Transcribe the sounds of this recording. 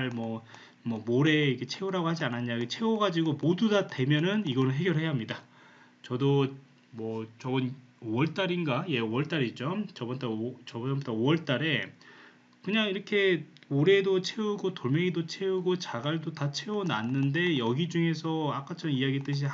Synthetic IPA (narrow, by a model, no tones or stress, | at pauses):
aɭmʌ | mʌmoɾe̞ikʰet͡ɕʰe̞uɾaɡohad͡ʑianaɲaket͡ɕʰe̞oɡad͡ʑiɡomodudade̞mjʌnɯniɡʌnɯnɦe̞ɡjʌɾɦe̞jaɦamɲida | t͡ɕʌdo | mwʌt͡ɕʌbɯn | oʌɭt͈aɾinɡaje̞owʌɭt͈aɾit͡ɕʌmt͡ɕʌbʌnt͈at͡ɕʌbʌʌnbodaowʌɭt͈aɾe̞ | kɯɲaŋiɾʌkʰe̞oɾe̞dot͡ɕʰeuɡotoɭmeŋidot͡ɕʰe̞uɡot͡ɕaɡaɭdotat͡ɕʰe̞onanːɯnde̞jʌɡid͡ʑuŋe̞sʰʌak͈ʰat͡ɕʰʌnijaɡit͈ɯɕ̬ʰi